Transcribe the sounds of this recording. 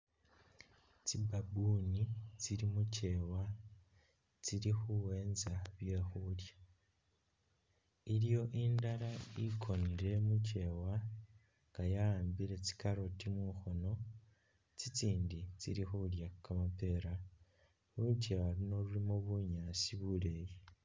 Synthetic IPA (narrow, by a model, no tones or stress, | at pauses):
t͡sibabunit͡siɾimuce̞wa | t͡siɾixuwe̞ːnzaβje̞xulja | iɾjo̞ʔindaɾaikʰo̞niɾe̞muce̞ːwa | ŋɡajaaːmbiɾe̞t͡si̥kaɾo̞timuxono̞ | t͡sit͡siːndit͡siɾixuljakamape̞ːɾa | ucewalino̞lulimoβuɲaːsiβule̞ːji